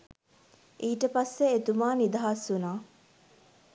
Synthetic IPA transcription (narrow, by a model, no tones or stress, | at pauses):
iːʈəpasːeet̪umaːnid̪aɦasunaː